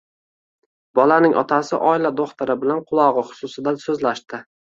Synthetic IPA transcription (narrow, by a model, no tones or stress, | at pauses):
bɒlanɪŋʔɒ̰t̪ʰasɪ̰ʔɒɪlad̪oχt̪ʰaɾɪbɪlanqʰʊlˠɒʁɨχʊ̥sʊsɪd̪asɵzlaʃt̪ɪ